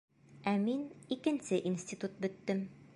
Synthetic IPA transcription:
æminikɘ̆nsɘʔinsʲt̪ʲit̪ut̪̚bɵ̆t̪ːɘm

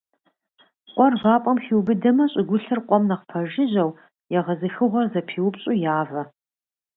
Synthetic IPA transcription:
qʷʼɔrʁɑːpʷʼɔmxiwbɨdɐmɐɕʼɪɡʷʊɬɨrqʷʼɔmnɐqpʰɐʒɪʑɐw | jɛʁɐzɨxɨʁʷɔrzɐpʰiːwpɕʼujaːvɐ

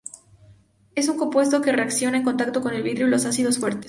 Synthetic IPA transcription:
e̞suŋko̞mpwe̞st̪o̞ke̞re̞aksjo̞naeŋko̞nt̪akt̪o̞ko̞ne̞lβiðɾjulo̞sasiðo̞sfwe̞ɾt̪es

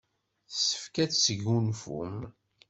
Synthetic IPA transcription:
θsə̥fkæt͡ssəʝunfṵm

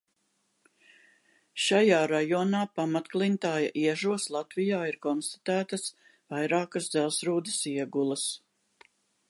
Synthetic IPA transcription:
ʃajaːɾajɔːnaːpamat̪klˠint̪aːja̰ʔiɛʒuɔslˠat̪vijaːiɾkɔnst̪ḁt̪æːt̪ɐs | vajɾaːkɐzd̪zɛlˠsɾuːd̪esiɛɡulˠɐs

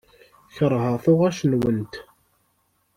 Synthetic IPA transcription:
çəɾˤɦəʁθʊʁæʃnwənt̪

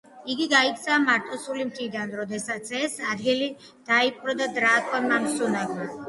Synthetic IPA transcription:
iɡiɡaikʰt̪sʰaːmaɾt̪ʼɔsulimt̪ʰɾid̪anɾɔd̪ɛsat̪sʰɛsad̪ɡili | d̪̥aipʼɾɔd̪ad̪ɾaːkʰɔnmamsunaɡma

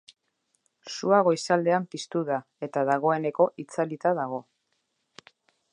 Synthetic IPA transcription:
suaɣ̞o̞jsald̪e̞ampist̪uða | e̞t̪aðaɣ̞o̞e̞ne̞ko̞ʔit͡salit̪að̞aɣ̞o̞

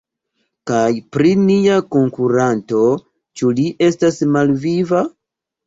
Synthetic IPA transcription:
kajpɾiniako̞ŋkuɾanto̞ | t͡ʃuliʔe̞stasmalviva

